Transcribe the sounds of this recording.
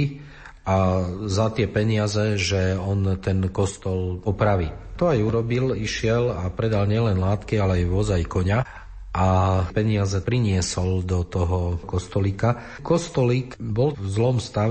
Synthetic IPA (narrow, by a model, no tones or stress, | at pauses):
azat̪ɪɛpɛɲɪazɛʒɛɔnt̪ɛnkɔst̪ɔlɔpɾaʋit̪ɔajuɾɔbiliʃɪɛlapɾɛd̪alɲɪɛlɛnlaːt̪kialɛajʋɔzajkɔɲa | ʔapɛɲɪazɛpɾiɲɪɛsɔld̪ɔt̪ɔɦɔkɔst̪ɔliːka | kɔst̪ɔliːkbɔlvzlɔmst̪aʋ